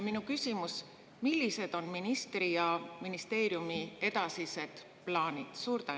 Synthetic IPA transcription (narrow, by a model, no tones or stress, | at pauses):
minukysʲimus | milːise̞d̪̥o̞nminist̪rijɑminist̪e̞ːɾjumie̞d̪ɑsise̞d̪̥ | plɑːnid̪̥suːɾt̪æ